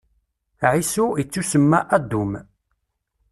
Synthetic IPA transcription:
ʕisuit͡sːusəmːaʔæd̪ːum

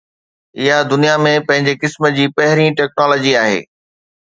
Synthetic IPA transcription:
ɪɦad̪ʊnijamẽpɐ̃ɦɪ̃ɲd͡ʑekɪsməd͡ʑiːpɐɦɪɾĩʈɛːk̚nɔːlɔːd͡ʑiaːɦḛː

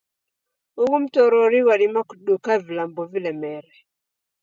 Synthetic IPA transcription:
ukum̩tɔɾɔɾiwalimaku̥ɗukavilambɔvilɛmɛɾɛ

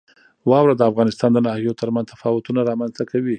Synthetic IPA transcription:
wɑwɾad̪əafɣɑnɪst̪ɑnd̪ənɑhijot̪əɾmanzt̪afɑwʊt̪unaɾɑmanzt̪akʰawi

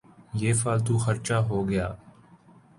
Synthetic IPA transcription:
jeːfaːlt̪uːxəɾt͡ʃaːɦoːɡəjaː

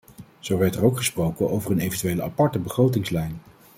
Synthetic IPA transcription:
z̥owʋɛɹtəɹowkχəsprowkənʔowvəɹənejvəntyʋejləapɑɹtəbəχrowtɪŋslɛjn

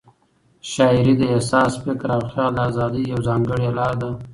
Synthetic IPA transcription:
ʃɑːɪɾid̪əesɑːsfɪkɾawxjɑːd̪əaːzɑːd̪ijawzɑːŋɡəɽjelɑːɾd̪a

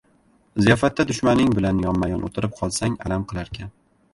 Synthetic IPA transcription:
zijɒfat̪ʰːad̪ʊʃmanɪŋbɪlanjɒmːajɒ̰nʔo̰t̪ʰɪɾɪp̚qʰɒlˠsaŋa̰lamqʰɨlˠaɾkʲan

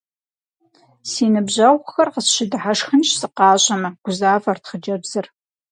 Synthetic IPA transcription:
siːnɨbʑɐʁʷxɐrqəsʃɪdɨħaʂxɨnʃsɨqɑːɕʼɐmɐɡ̥ʷʊzaːvɐrtχəd͡ʒɐbzɨr

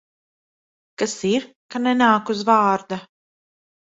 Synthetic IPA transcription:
kasiɾ | kanɛnaːkuzvaɑːɾd̪a

